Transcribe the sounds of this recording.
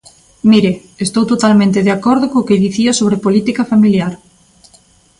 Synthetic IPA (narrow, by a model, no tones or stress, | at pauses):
miɾe | est̪owt̪ot̪almẽnt̪eðeakoɾð̞okõːkeðiθiosoβ̞ɾepolit̪ikafamiljaɾ